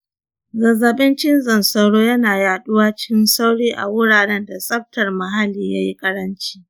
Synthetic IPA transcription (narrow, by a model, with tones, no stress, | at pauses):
zɐ˨zɐ˨ɓɪ˦nt͡ʃɪ˦nzɐ˨nsɐ˦ɽoː˦jɐ˦naː˨jaː˨ɗʊ˦waː˦t͡ʃɪ̥˦kʲɪ˦nsa˦wɽiː˦ʔa̰˨wʊ˦ɽaː˨ɽɛ˦nda˨sʼɐ˦ɸ̚tɐ˨rmɐ˨ɦa˦liː˨ja̰˦ji˦kʼɐ˦ɽɐ˦nt͡ʃi̥ː˦